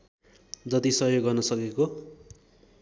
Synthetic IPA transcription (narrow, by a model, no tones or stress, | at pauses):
d͡zʌt̪isʌɦjoɡɡʌrnʌsʌkeko